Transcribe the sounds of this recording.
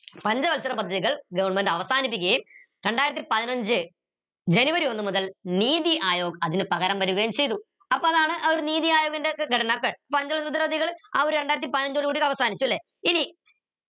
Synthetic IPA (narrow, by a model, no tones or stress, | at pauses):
pɐɲd͡ʑɐʋɐlsɐɾɐmpɐd̪ʱːɐðiɣɐɭɡɐʋɐɳmenɖɐʋɐsaːnip̬ʲːikʲːɐjum | ɾe̞ɳɖaːjiɾɐt̪ːipɐðinɐɲd͡ʑɨ | d͡ʑe̞nuʋɐɾio̞nːɨmuðɐlniːðiʔaːjoːɡɐɐðinɨpɐɣɐɾɐmʋɐɾuɣɐjumt͡ɕe̞jt̪u | ɐpːoːɐðaːɳɨʔɐoɾuniːðijaːjo̞ːɡɐnde̞ɡʱɐʈʰɐnɐmokːepɐɲd͡ʑɐɐlsɐd̪ɐðiɣɐɭa̰ːoɾuɾeɳɖaːjiɾɐt̪ːipɐðinɐɲd͡ʑoɽikuːɽikːɐʋɐsaːnit͡ɕːulːe | ini